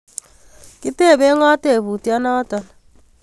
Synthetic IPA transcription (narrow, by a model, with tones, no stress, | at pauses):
ki˦te˦˨βe˦ŋɔ˦te˦˨βu˨tja˦na˦tɔ˨na